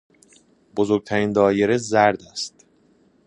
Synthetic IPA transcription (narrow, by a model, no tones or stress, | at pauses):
bo̞zo̞ɾɡ̚t̪ʰæɾind̪ɒːjeɾezæɾd̪æst̪